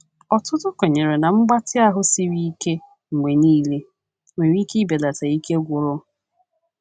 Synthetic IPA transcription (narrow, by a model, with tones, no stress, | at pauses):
ɔ˨tʊ˦tʊ˦ke˨ɲe˨ɾe˨na˨ŋ͡m̩˦ɡ͡ba˦tɪ˦a˦ɦʊ˦si˦ɾi˦ke˦ | ŋ̩˨ŋʷe˨niː˦le˦ | e˨ɾi˦ki˦be˨da˨ta˨i˦ke˦ɡʷʊ˨ɾʊ˦